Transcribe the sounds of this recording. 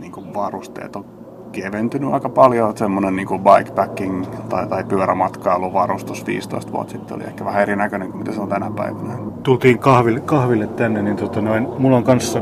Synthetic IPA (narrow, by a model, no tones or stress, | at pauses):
niːŋkuʋɑrust̪ḛːt̪o | keʋent̪ynyɑ̰ikɑpɑljot̪semːonenniːŋkuʋɑikpækːiŋt̪ɑit̪ɑipyøɾæmɑt̪kɑiolːuʋɑrust̪usʋḭːst̪o̰ist̪ʋṵɑ̰t̪sit̪ːeo̰liḛhkːæʋæhæerinækøneŋkumit̪æseont̪ænæpæ̰iʋænæt̪ult̪iːŋkɑhʋilkɑhʋilːet̪t̪ænːenint̪ot̪ɑnoinmulːoŋkɑnsːɑ